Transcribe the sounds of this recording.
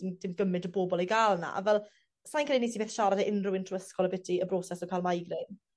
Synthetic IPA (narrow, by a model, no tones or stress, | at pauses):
nd̥ɪmɡəmɨdəboːbɔlˠejɡaːlˠna̰a̰vɛlˠ | sajnkʰəlːˠiniːsibeːθʃaɾadəʔɪnrʊwɪntʰɔəskɔlˠəbɛtʰiəbrɔsɛsɔkʰajlˠmajɡrɪn